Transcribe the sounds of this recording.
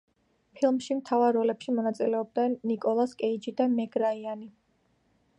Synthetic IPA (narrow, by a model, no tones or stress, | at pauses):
pʰilˠmʃimt̪ʰavaɾːɔlɛpʃimɔnat̪sʼilɛɔb̚d̪nɛnːikʼɔlˠaskʼɛid͡ʒid̪amɛɡɾaiani